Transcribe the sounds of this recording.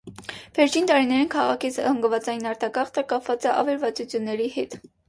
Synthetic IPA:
vɛɾt͡ʃʰint̪ɑɾinɛɾinkʰɑʁɑkʰit͡sʰhəŋɡəvɑt͡sɑjinɑɾt̪ɑkɑχt̪əkɑpʰvɑt͡səʔɑ̰vɛlvɑt͡sut͡sʰjunːɛɾihɛt̪

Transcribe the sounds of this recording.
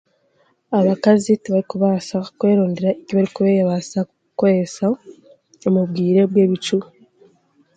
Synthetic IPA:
aβakaziteβaɾikuβaːsakwe̞ːɾoːndeɾaeciβaɾikuβe̞ːjaβasaku | koɾesa | omubɡiːɾe̞βwe̞ːβit͡ʃu

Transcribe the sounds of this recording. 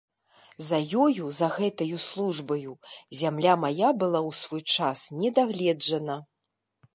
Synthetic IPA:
zɐjɔjuzɐɣɛt̪ɐjuslˠuʐbɐjuzʲamlʲamajabɨlˠawsvɔjt͡ʂasnʲɛd̪aɣlʲɛd͡ʐɐnɐ

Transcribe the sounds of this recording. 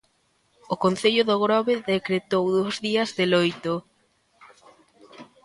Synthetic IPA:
okon̟θeʎʊðoɣɾɔβeðekɾet̪owðowzðiɐzðelojt̪o

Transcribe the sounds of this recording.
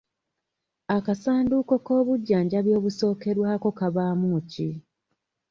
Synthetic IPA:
akasaːnduko̞ko̞ːβuɟːaːɲɟaβjo̞ːβuso̞ːke̞ɾwaːko̞kaβaːmuːci

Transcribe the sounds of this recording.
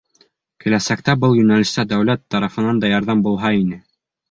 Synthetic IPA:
kɘ̆læsækt̪æbɤlˠjɵ̆nælɘ̆st̪æd̪æwlæt̪ːɑɾɑfɤ̆nɑnd̪ɑjɑɾðɑmbulˠɦɑinɘ

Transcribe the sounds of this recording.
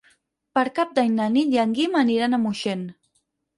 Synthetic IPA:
pəɾkap̚d̪aɲnaniʎaŋɡimaniɾanamuʃen

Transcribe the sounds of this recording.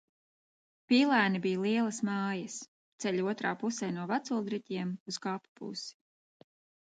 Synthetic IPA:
piːlˠæːnibijalˠiɛlˠɐsmaːjɐs | t̪sɛʎʲuɔt̪ɾaːpusɛjnuɔvat̪sulˠd̪ɾɛt̪ʲiɛmuskapu̥pṵsi̥

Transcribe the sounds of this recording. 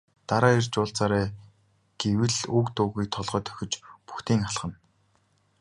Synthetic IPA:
t̪aɾaːirt͡ɕʊːɬt͡saɾæː | ɡ̥ewɘ̆ɮukt̪ʊːɣiːk̚t̪ʰɔɮʁœːt̪ʰœ̥xʲɪ̆t͡ɕpu̥xt̪iːŋaɮχə̆n

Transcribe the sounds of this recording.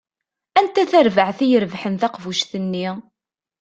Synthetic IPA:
ænt̪æθæɾvəʕθijəɾəvħənθæqvuʃθənːi

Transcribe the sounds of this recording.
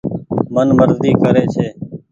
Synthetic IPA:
mənməɾzd̪iːkəɾeːt͡ʃʰeː

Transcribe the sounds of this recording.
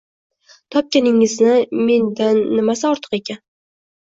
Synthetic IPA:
t̪ʰɒp̚kʲanɪŋɪznɪme̞nd̪anːɪmasɪɒɾt̪ʰɨ̥qe̞kʲʰan

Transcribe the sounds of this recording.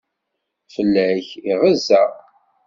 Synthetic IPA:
fəlːæçiʁəzːæ

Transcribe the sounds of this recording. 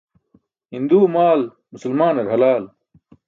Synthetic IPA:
hind̪uːmaːl | musɐlmaːnɐɾɦɐlaːl

